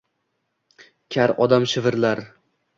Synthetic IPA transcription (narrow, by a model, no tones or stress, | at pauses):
kʲʰaɾɒd̪amʃɪvɪɾlaɾ